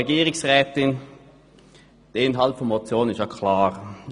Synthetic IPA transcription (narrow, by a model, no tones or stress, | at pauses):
eɡiːʁɪsʁɛːtɪn | d̥əɪnɦaltfɔnmot͡sjoːnənɪstjakʰlaːʁ